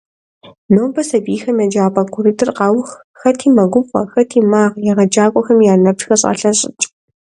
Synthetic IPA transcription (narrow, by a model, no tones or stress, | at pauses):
noːbɐsɐbiːxɐmjɛd͡ʒaːpʼɐɡʷʰʊɾɨdɨrqɑːwʊx | xɐtʰiːmɐɡʷʊmχʷɐ̰xɐtʰiːmaːʁjɛʁɐd͡ʒaːkʷʼɔxɐmjaːnɐpʂxɐɕʼɐ̰ɬɐɕʼɪ̰t͡ʃʼ